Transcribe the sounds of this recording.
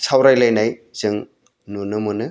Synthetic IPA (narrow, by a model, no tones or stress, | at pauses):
sʰawɾajlajnajz̥ɯŋ | nunɯmunɯ